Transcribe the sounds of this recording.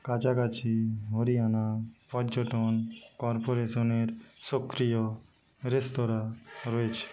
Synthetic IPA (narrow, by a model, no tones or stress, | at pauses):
kat͡ʃakat͡ʃiɦoɾianapɔd͡ʒɔʈɔnkɔɾpoɾesɔneɾsokɾijo | ɾest̪ɔɾaɾɔet͡ʃʰe̥